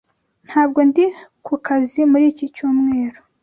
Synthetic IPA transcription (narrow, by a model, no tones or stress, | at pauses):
n̥haːb̚ɡo̞ndikukazimuɾiːcicuːmŋe̞ːɾo